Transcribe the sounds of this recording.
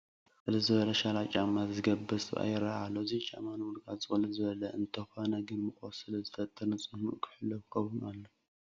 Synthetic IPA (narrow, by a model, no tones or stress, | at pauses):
sɨlɐzɨβɐlɐʃalat͡ʃʼamːat̪zɨɡɐbːɨsʼɨβa̰jɪɾahalːoɨzit͡ʃʼa̰manwulkʰʼazʼɨχʼlɨzɨβɐlɐɨnt̪ʰɐxanɐɡɨnmɨkʼosɨlɐzɨfʰɐt̪ʼːɨnɨsʼɨhmuʔkʰɨ̥ħɨlːofkʰɐwunalːo